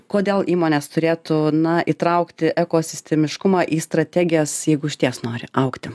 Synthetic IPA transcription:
koːd̪ʲeːlˠʔiːmoːnʲeːst̪ʊɾʲeːt̪uːnɐʔit̪ɾɐʊkt̪ʲɪʔɛkoːsʲɪsʲt̪ʲɛmʲɪʃkʊmɑːʔiːst̪ɾɐt̪ʲæːɡʲɪjɛsjɛɪɡʊʃʲt̪ʲiɛsnoːɾʲɪ̰ʔɐʊkt̪ʲɪ

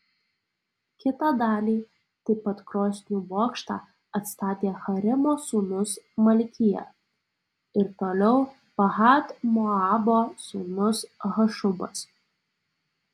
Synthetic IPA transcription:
kʲɪt̪ɑːd̪ɑːlʲiː | t̪ɐɪpɐt̪kɾoːsʲnʲuːboːkʃt̪ɑ̰ː | ɐt̪st̪ɑːt̪ʲeːxɐɾʲɪmoːsuːnʊsmɐlʲkʲɪjɛ̰ | ɪɾt̪oːlʲɛʊ | pɐɦɑːt̪moɑːboːsuːnʊsɣɐʃʊbɐ̰s

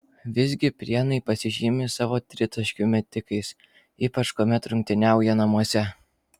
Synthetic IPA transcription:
ʋʲɪzʲɡʲɪpʲɾʲiɛnɐɪpɐsʲɪʒʲiːmʲɪsɑːʋoːt̪ʲɾʲɪt̪ɐʃʲkʲʊmʲɛt̪ʲɪkɐɪs | iːpɐt͡ʃkoːmʲɛt̪ɾʊŋʲk̚ʲt̪ʲɪnʲæˑʊjɛnɐmuɔsʲɛ

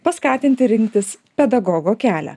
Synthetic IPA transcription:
pɐskɑːt̪ʲɪnʲt̪ʲɪɾʲɪŋʲkt̪ʲɪs | pʲɛd̪ɐɡɔːɡoːkʲæːlʲæ̰

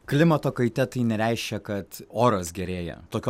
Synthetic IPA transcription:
klʲɪmɐt̪oːkɐɪt̪ʲɛt̪ɐɪnʲɛɾʲæɪʃʲkʲɛkɐt̪oːɾosɡʲɛɾʲeːjɛ̰t̪oːkʲː

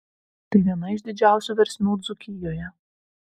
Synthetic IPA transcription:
t̪ɐɪʋʲiɛnɐɪʒd̪ʲɪd͡ʒʲæˑʊsʲuːʋʲɛɾʲsʲnʲuːd̪zʊkʲɪjoːjɛ

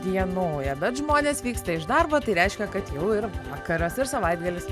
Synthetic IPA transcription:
d̪ʲiɛnoːjɛbʲɛt̪ʒmoːnʲeːsʋʲiːkst̪ɐɪʒd̪ɐrbɐt̪ɐɪɾʲɛɪʃʲkʲɛkɐt̪jɛʊɪɾʋɑːkɐɾɐsɪrsɐʋɐɪd̪ɡɐlʲɪs

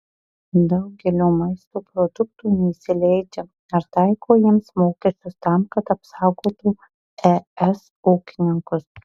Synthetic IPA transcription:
d̪ɐʊɡʲɛlʲoːmɐɪst̪oːpɾɔd̪ʊk̚t̪uːnʲɛɪsʲɪlʲɛɪd͡ʒʲɛ | ɐɾt̪ɐɪkoːjiɛmsmoːkʲɛsʲt̪ʲʊst̪ɑˑmkɐt̪ɐpsɑˑʊɡoːt̪uː | ɛɛs | oːkʲɪnʲɪŋkʊs

